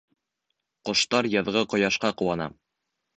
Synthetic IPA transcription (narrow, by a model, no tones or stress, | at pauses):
qŏʃt̪ɑɾjɤ̆ðʁɤqŏjɑʃqɑqŏwɑnɑ̰